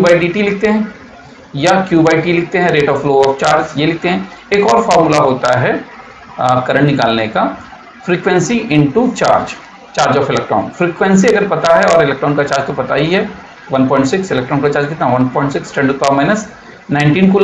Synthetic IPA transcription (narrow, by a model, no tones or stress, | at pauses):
kjubaːiɖiːʈilɪk̚ʰt̪eɦɛ̃ː | jakjuːbaːɪʈilɪk̚ʰt̪eɦɛ̃ɾeːʈɔːfloːɔːft͡ʃaːɾd͡ʒjelɪk̚ʰt̪eɦɛ̃eːkɔːɾfɔːɾmulaɦoːt̪aɦɛ | kɐɾəɽnɪkaːlneka | fɾiːkʋɛ̃nsiʔɪ̃ɳʈut͡ʃa̰ːɾd͡ʒ | t͡ʃaːɾd͡ʒɔːfɪlɛk̚ʈɾɔ̰ːnfɾiːkʋɛ̃nsiɐɡəɾpɐt̪aɦɛɔːɾɪlɛk̚ʈɾɔːnkat͡ʃaːɾd͡ʒt̪opɐt̪a̰ːiɦɛ | ʋɐnpɔ̃ːɪ̃ɳʈsɪksɪlɛk̚ʈɾɔːnkat͡ʃaːɾd͡ʒket̪naʋɐnpɔːɪ̃ɳʈsɪksʈɛ̃ɳɖupaːmaːɪnəs | nãɪ̃ɳʈiːnkul